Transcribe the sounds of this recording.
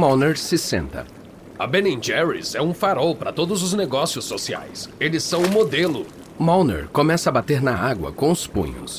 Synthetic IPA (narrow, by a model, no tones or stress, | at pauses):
mawneɾsɪsḛ̃nt̪ɐ̰ | ɐbẽnẽd͡ʒɛɹḭzɛũfaɾɔwpɾɐt̪od̪ʊzʊzneɡɔsiʊsːosia̰jselɪsːɐ̃w̃ʊmod̪elʊ | mawnḛɾkomɛsɐːbat̪eɾnɐaɡwɐ̰kõʊspṵ̃ɲʊ̰s